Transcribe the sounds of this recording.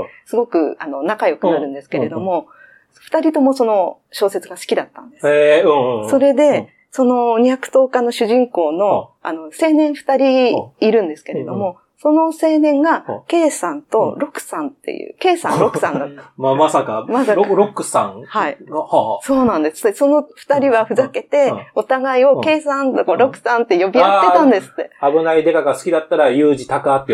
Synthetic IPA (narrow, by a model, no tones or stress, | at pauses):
sɨɡo̞kɯ̟ano̞nakajo̞kɯ̟naɾɯ̟̃nd̪e̞sɨ̥ke̞ɾe̞d̪o̞mo̞ | ɸɯ̟̥t̪aɾʲit̪o̞mo̞so̞no̞ | ɕo̞ːse̞t͡sɨɡasɨ̥kʲid̪at̪ːã̰nd̪eẽso̞ɾe̞d̪e̞ | so̞no̞ɲ̟ijakɯ̟̥t̪o̞ːkanːo̞ɕɨʑĩŋko̞ːno̞a̰no̞se̞ːnẽ̞ɰ̃ɸɯ̟̥t̪aɾʲiːɾɯ̟̃nd̪e̞sɨ̥ke̞ɾe̞d̪o̞mo̞ | so̞no̞se̞ːnẽ̞ŋɡake̞ːsãnt̪o̞ɾo̞kɯ̟̥sãnt̪ːe̞̰jɯ̰ːke̞ːsã̰nɾo̞kɯ̥sã̰nd̪at̪ːmamasakamasaɾɾokɯ̟sã̰ŋhaiso̞ːnãnd̪esɨ̥t̪ːeso̞no̞ɸɯ̥t̪aɾʲiβaɸɯ̟zake̞t̪e̞o̞t̪aɡaio̞ke̞ːsãnt̪okoɾo̞kɯ̟̥sãnt̪ːe̞jo̞bʲijaːet̪ãnd̪e̞sɨ̥t̪ːe̞abɯ̟naid̪e̞kaɡasɨ̥kʲid̪at̪ːaɾajɯːʑit̪akɯːt̪ːe